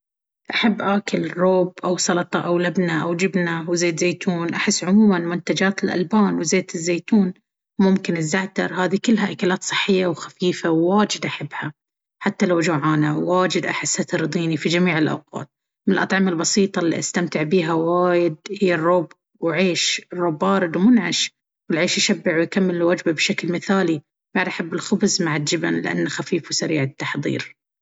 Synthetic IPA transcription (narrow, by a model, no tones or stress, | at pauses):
ʔaħabːʔaːkɪlrːoːbʔawsˤɑlt̪ˤɑʔawlabnaʔawd͡ʒɪbnawzeːt̪zeːjt̪ʰuːnʔaħɪsːʕʊmuːmanmʊnt̪ad͡ʒaːt̪ɪlʔa̰lbaːnwzeːt̪ɪzːeːt̪uːn | mʊmkɪnɪzːaʕt̪ɑ̰ɾˤhaːðikʊlːɦaʔakaːlaːt̪sˤɨ̥ħːɪjːawxafiːfawːaːd͡ʒɪd̪ʔaħabːha | ħat̪ːalawd͡ʒaːʕaːnaːaːd͡ʒɪd̪ʔaħɪsːat̪ɾˤd̪ˤiːnifid͡ʒamiːʕɪlʔa̰wqɑ̰ːt̪̚ | mɪnlʔɑt̪ˤʕɑmɪlbɑsiːt̪ˤɑlːḭʔast̪amt̪ɪʕbiːɦawaːjɪd̪̚hɪjːarˤːoːb | wʕeːʃrˤːoːbːɑːɾɨd̪wmʊnʕaʃ | wɪlʕeːʃjɪʃabːɪʕwjkamːɪlːwad͡ʒbabʃaklmɪθaːli | b̥aʕd̪ʔaħabːɪlxʊbzmaʕɪld͡ʒɪba̰nlɪʔa̰nːxafiːfwsaɾiːʕɪt̪ːaħðˤḭːɾ